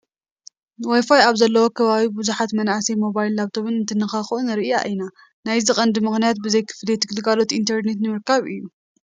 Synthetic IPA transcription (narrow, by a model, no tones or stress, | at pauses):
wajfajaβzɐlːɐwo̞kʰɐβaβibuzuħat̪mɐnasejmo̞βajilaβt̪ʰo̞βɨnɨnt̪ʰɨnːɨxaxuʔunɨɾɨʔɨja̰ʔina | najzɨχʼɐnd̪ɨmɨxnijat̪̚bɨzɐjkʰɨ̥flet̪ʰɨɡɨlɨɡalo̞t̪ʔint̪ʰɐɾne̞t̪nɨmɨɾkaβɨ̰jːu